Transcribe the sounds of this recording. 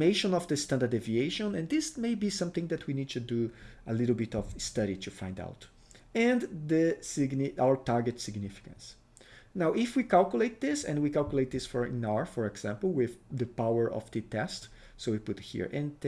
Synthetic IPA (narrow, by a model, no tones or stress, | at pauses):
meɪʃɔ̃nɔvd̪əst̪ãnd̪ədevieɪʃɔ̃nɛ̃nd̪ɪsmeɪbisʌ̃mθɪ̃ŋd̪ɛt̪ʰwinid̚t̪uduəlɪɾəl̩ˠbɪtɔvstʌɾit̪ʰufã̰j̃nda̰ʊt | ɛ̃nðəsɪɡnɪawə˞taɹɡɨtsɪɡnɪfɪ̥kə̰̃ns | nawʔɪfwikalˠkjuleɪt̪̚d̪ɪsɛ̰̃nwikalˠkjuleɪt̪̚d̪ɪsfɔɹɪ̰̃naɹfɔɹɛɡz̥ɛ̃mpl̩ˠwɪðd̪əpawə˞ʔɔ̰fd̪it̪ɛst | soipʊt̪hḭɹʔɛ̃nt